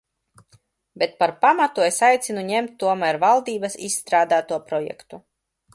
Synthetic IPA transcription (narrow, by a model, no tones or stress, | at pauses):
bʲet̪̚paɾpamat̪uesajt̪sʲinuɲemt̪ʲːuɔmæɾvalˠd̪iːbasisːt̪ɾaːd̪aːt̪uɔpɾɔjɛ̰kt̪u